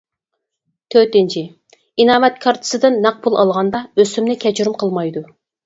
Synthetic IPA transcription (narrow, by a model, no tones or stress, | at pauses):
t̪ʰøt̪ɪnt͡ʃʰi | inɑːmɛt̪kʰɑɾt̪ʰɨ̥sɨd̪ɨnːɑq̚pulˠʔɑ̰lˠʁɑnd̪ɑøsymnɪkʲʰɛt͡ʃʰyɾymqʰəlˠmɑjd̪u